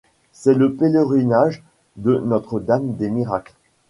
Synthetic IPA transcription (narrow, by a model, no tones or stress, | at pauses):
sɛləpeləʁinaʒ | d̪ənɔt̪χəd̪amd̪emiʁakl